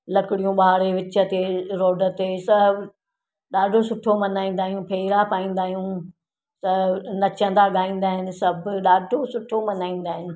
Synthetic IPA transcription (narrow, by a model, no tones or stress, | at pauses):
lɐkɪɽijũɓaɦɽeʋɪt͡ɕət̪eɾoːɖə̆t̪esɐɦb | ɗaːɖʱosʊʈʰomɐnaːĩːnd̪aːɦijũpʰeːɾapaːĩːn̆d̪aːɦijũ | sɐnɐt͡ɕə̃nd̪aɠaːĩːn̆d̪aːɦɪnɪ̆sɐbʱɗaːɖʱosʊʈʰomɐnaːĩːn̆d̪aːɦɪnɪ̆